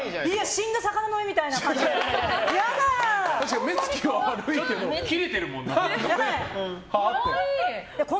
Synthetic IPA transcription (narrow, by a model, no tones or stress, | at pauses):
iaɕĩnɡ̪asakananoimʲit̪ainaka | jad̪at̪aɕikame̞t͡sɨ̥kʲiɡaaɾɯit̪emokʲiɾet̪eɾɯ̟mõnːaa | ejakõ